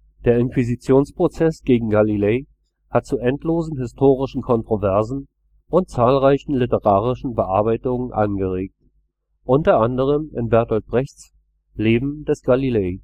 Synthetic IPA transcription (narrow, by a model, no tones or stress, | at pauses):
d̥eːɐɪnkv̥izit͡sjoːnspʁ̥ot͡sɛsɡ̥eːɡŋ̩ɡalileː | hat̚t͡suʔɛntloːzn̩ɦɪstʰoːʁɪʃn̩kʰɔntʁ̥ovɛɐzn̩ | ʔʊnt̚t͡saːlʁaɪçn̩lɪtəʁaːʁɪʃn̩bəʔaɐbaɪtʊŋənʔa̰nɡəʁeːk̚t | ʔʊntɐʔandəʁ̞əmɪnbɛɐtɔt̚b̥ʁɛçt͡s | leːbm̩d̥ɛsɡ̥alileː